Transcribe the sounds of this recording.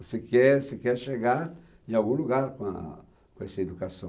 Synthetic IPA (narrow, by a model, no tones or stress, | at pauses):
sekɛɾsɪkɛɾʃeɡaɾ | ẽawɡũluɡaɾkõ | kõesɪed̪ukasɐ̃